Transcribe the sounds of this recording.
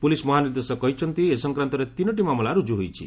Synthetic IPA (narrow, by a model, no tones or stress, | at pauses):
pulismɔɦaniɾd̪esɔkɔɦit͡ʃʰɔnt̪iesɔŋkɾant̪ɔɾet̪inɔʈ̬imamɔlaɾud͡ʒuɦojt͡ʃʰḭ